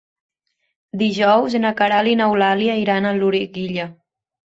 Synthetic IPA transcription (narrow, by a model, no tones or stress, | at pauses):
d̪iʒɔwzenakaɾalinawlaliaiɾanəluɾiɡiʎə